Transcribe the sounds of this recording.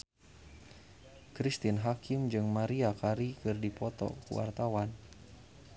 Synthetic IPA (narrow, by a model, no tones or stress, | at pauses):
kɾist̪inɦakʰɪmd͡ʒɨŋmaɾiakaɾikɨrdipɔt̪ɔ̰kṵwa̰rt̪awan